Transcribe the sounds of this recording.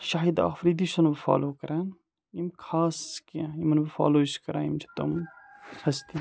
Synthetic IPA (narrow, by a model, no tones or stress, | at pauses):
ʃaɦid̪a̰ːfɾiːd̪iʃɐnbfa̰ːloːkɐɾaːn | imkʰaːskĩimɐnbɐfa̰ːloːiskɐɾaːimd͡ʒʰi̥t̪ɐmpʰɐst̪i